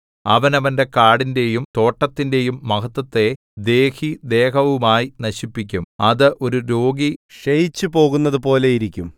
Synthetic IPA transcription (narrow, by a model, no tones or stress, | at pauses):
ɐʋɐnɐʋɐnde̞kaːɽinde̞jumt̪o̞ːʈːɐt̪ːinde̞jumːɐkɐt̪ːɐt̪ːe̞ | d̪e̞ːhid̪e̞ːkɐʋumaːjinɐɕipːik̬ʲːumɐðɨʔo̞ɾuɾo̞ːɡiʂɐjit͡ɕːɨpo̞ːɣunːɐðɨpo̞ːle̞jiɾikʲːum